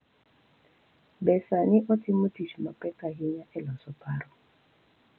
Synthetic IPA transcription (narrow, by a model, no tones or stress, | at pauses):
bɛsanɪʔɔtʰimutiʃmapɛkaɦiɲaʔɛlɔsɔpʰaɾɔ